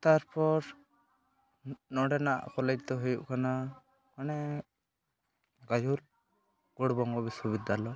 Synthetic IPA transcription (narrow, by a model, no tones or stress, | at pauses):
t̪aɾpɔɾ | nɔɖɛnaʔkɔlɛd͡ʒt̪ɔɦujuʔkana | kanɛ | ɡad͡ʒul | ɡ̥ɔɽbɔŋɡɔbiswɔβid̪ʱːalɔ